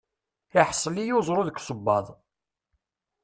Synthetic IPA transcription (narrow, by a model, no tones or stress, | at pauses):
ɪħsˤəlijuzˤɾˤoðəkʷːsˤəbːɑðˤ